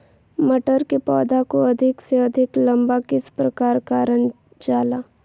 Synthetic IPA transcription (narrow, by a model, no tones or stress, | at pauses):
mɐʈəɾkepɔːd̪ʱakoɐd̪ʱɪkseɐd̪ʱɪklɐ̃mbakɪspɾɐkaːɾkaɾən | d͡ʒaːlaː